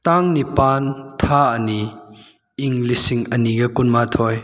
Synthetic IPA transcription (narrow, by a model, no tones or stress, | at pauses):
t̪aŋnipant̪ʰaɐniː | ŋlisiŋɐniɡɐkunmat̪ʰɔj